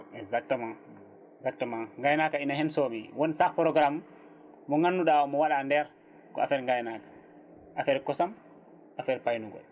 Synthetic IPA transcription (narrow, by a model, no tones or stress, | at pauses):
ɛzak̚tːamã | zak̚təmãŋɡajnakainahɛnsomḭwɔnsakpɾɔɡɾamː | ɔŋanːuɗawɔmɔwaɗandɛɾ | kɔ̰afɛɾŋɡajnakḁ | ʔafɛɾkɔsam | ʔafɛɾpajnuɡɔ̰l